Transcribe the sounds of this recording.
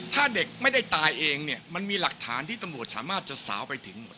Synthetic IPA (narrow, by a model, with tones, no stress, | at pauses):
t̪ʰaː˥˩de˨˩k̚ma˥˩jda˥˩jt̪aː˧jʔeː˧ŋni˥˩əma˧nmiː˧la˨˩k̚t̪ʰaː˩˦nt̪ʰiː˥˩t̪a˧mɾu˨˩ət̪̚saː˩˦maː˥˩t̪̚t͡ɕa˨˩sa̰ː˩˦wpa˧jt̪ʰɯ˩˦ŋmo˨˩t̪̚